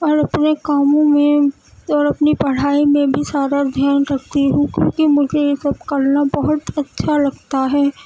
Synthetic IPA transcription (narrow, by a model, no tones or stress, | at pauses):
ɔːɾɐpnekaːmõmẽ | ɔːɾɐpnipɐɽ̤aːimẽbʱisaːɾad̪ʱjaːnɾɐk̚t̪iɦũkjõːkimʊd͡ʒʱejesɐb̚kɐlnabɐɦʊt̪ɐtːʃʰalɐɡt̪aɦɛː